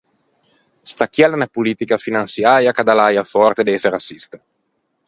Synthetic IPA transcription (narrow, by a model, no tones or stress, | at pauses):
st̪akːjalenapuliːt̪ikafinansjaːɾjakad̪alajafɔrt̪ed̪eseɾasist̪ḁ